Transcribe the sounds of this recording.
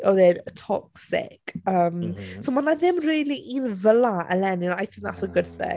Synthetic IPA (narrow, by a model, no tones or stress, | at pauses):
ɔðɛdətʰɔksɪ̰kəːmsomanaðɪmriːlˠiʔinvəlaʔə̰lɛnɪnajθɪ̃ŋða̰təɡʊdθɛ̰